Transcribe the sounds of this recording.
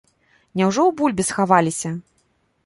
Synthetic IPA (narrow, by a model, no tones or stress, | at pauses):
nʲɛwʐɔwbulʲbʲisxavalʲisʲɐ